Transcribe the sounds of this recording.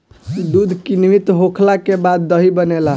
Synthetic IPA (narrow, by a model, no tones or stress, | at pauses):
d̪ud̪ʱkinʋit̪ɦokʰlakebad̪ːəɦibənela